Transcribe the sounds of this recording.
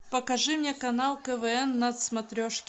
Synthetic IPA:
pəkɐʐɨmnʲekɐnalˠkəvɛɛnːɐt̪smɐt̪ɾʲoʂkʲ

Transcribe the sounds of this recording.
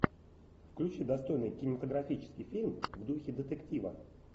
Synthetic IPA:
fklʲʉt͡ɕid̪ɐst̪o̞jnɨjkʲɪnʲɪmət̪əɡɾɐfʲit͡ɕɪ̥skʲɪjfʲilʲmvd̪uxʲɪd̪ət̪ɨktʲivə̰

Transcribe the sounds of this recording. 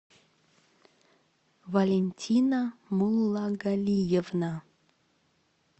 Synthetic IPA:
valʲenʲtʲʰinamulˠːɑɡalʲijevna

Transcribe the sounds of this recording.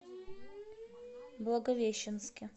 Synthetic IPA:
blˠɐɡɐvʲeɕːɪnskʲɪ

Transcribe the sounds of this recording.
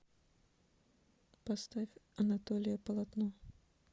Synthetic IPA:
pɐst̪afʲɐnɐt̪olʲɪjəpəlˠɐt̪no

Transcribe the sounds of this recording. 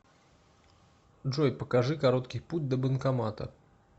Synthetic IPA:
dʐojpəkɐʐɨkɐɾot̪kʲɪjput̚ʲd̪əbənkɐmat̪ə̰

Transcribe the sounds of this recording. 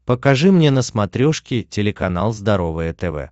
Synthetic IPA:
pəkɐʐɨmnʲenəsmɐt̪ɾʲoʂkʲɪtʲɪlʲɪkɐna̰lˠzd̪ɐɾo̞vɨjət̪ɛvɛ̰

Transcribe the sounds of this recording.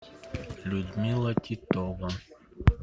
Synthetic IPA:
lʲud̪ʲmʲilˠɐt̪ʲit̪ɔvɐ

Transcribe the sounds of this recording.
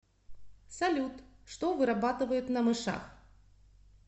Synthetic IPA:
sɐlʲut̪ʂt̪ovɨɾabat̪ɨvəjɪt̪nəmɨʂa̰x

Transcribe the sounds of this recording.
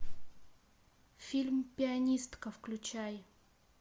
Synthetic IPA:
fʲilʲmpʲɪɐnʲist̪kəfklʲʉt͡ɕæj

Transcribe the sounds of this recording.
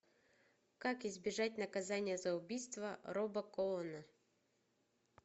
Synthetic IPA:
kakɪzbʲɪʐatʲnɐkɐzanʲɪjəzɐʊbʲijst̪vəɾobəkoɔnə

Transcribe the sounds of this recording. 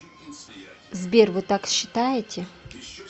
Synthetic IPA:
zbʲervɨt̪akɕːɪt̪ajɪtʲʰɪ

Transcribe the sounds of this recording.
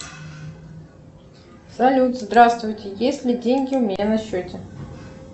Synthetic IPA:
sɐlʲut̪zd̪ɾast̪vʊjtʲɪjesʲlʲɪdʲenʲɡʲɪʊmʲɪnʲanɐɕːotʲɪ

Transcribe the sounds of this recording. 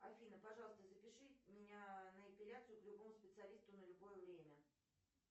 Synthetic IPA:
ɐfʲinəpɐʐɑlˠəst̪əzəpʲɪʂɨmʲɪnʲanəɐpʲɪlʲat̪sɨjʊklʲʊbo̞mʊspʲɪt̪sɨɐlʲist̪ʊnəlʲʊbo̞jəvɾʲemʲə

